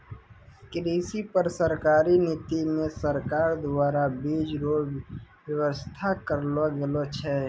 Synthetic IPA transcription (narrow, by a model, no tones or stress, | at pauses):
kɾiːsipəɾsəɾkaːɾiniːt̪imẽsəɾkaːɾd̪aːɾabiːd͡ʒɾoːwəwəst̪ʰakəɾloɡelot͡ʃʰɛː